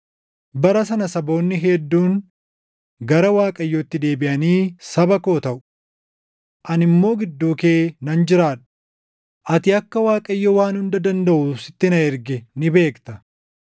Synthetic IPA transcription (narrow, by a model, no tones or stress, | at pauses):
bɐɾɐsɐnɐsɐbo̞ːnːɪɦɛd̪ːuːŋ | ɡɐɾɐwaːkʼɐjːɔt̪ːɪd̪e̞ːbɪʔɐniːsɐbɐko̞ːt̪ɐʔʊ̥ | ʔɐnɪmːo̞ːɡɪd̪ːuːke̞ːnɐnd͡ʒɪɾaːᶑʊ̥ | ʔɐt̪ɪɐkːɐwaːkʼɐjːowaːnhʊnd̪ɐd̪ɐnd̪ɐʔʊsɪt̪ːɪnɐɛɾɡɛnɪbe̞ːkt̪ɐ